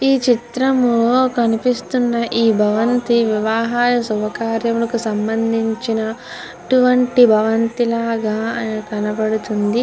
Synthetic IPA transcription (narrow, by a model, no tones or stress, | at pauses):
iːt͡ʃit̪ɾɐmukɐnipist̪unːɐʔiːbʱɐʋɐnt̪iʋiʋaːɦaːjɐsubɐkaːɾjɐmulɐkusɐmbɐnd̪ʱiɲt͡ʃinɐ | ʈuʋɐɳʈibʱɐʋɐnt̪ilaːɡaːkɐnɐbɐɽut̪und̪i